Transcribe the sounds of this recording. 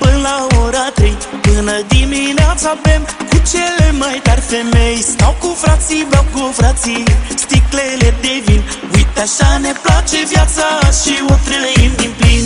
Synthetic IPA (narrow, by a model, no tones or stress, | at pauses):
pɨnlaoɾat̪ɾejpɨnəd̪imineat̪savemkut͡ʃelemajt̪aɾʲfemejst̪awkufɾat̪sibawkufɾat̪sist̪ikleled̪evin | ujt̪aʃaneplat͡ʃevjat̪saʃiot̪ɾəimd̪implin